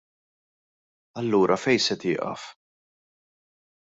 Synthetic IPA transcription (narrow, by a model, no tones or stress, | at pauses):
ɐlːuːɾʔɐfɛjsɛt̪ɪːʔɐ̰f